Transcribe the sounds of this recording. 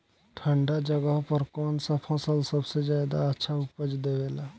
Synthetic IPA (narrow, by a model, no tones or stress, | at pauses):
ʈʰə̃ɳɖad͡ʒəɡəɦpəɾkɔːnsapʰəsəlsəbsezaːd̪aətːʃʰaʊpəd͡ʒd̪eʋeːlaː